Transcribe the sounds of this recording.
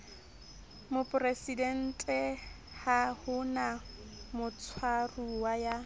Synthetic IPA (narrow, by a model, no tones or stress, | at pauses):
mʊpʼʊresidɛn̩tʼɛ | hahʊna | mʊt͡sʰwaruwaja